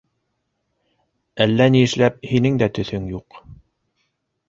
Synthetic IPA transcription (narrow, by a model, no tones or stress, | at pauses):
ælːæniɘ̆ʃlæp̚hinɘŋd̪æt̪ɵ̆θɵŋjuq